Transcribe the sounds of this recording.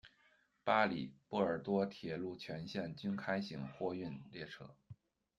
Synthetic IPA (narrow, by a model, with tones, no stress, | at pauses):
pa˥li˨˩pɔ˥˩ə˞˨˩t̪wɔ˥t̪ʰjɛ˧˩˥lu˥˩t͡ɕʰɥɛ˧˥nɕjɛ˥˩nt͡ɕy˥nkʰa˥ɪɕḭ˧˥ŋxwɔ˥˧y˥˧nljɛ˥˩ʈ͡ʂʰɤ̰˥